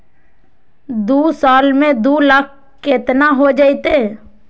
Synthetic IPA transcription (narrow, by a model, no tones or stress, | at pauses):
d̪uːsaːlmẽd̪uːlək̚ʰ | ket̪naɦod͡ʒait̪e